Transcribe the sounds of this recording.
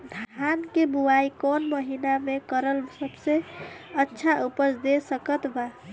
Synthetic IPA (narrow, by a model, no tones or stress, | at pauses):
d̪ʱankebuaikonməɦinamekəɾəlsəbseətːʃʰaupəsd̪esəkət̪ba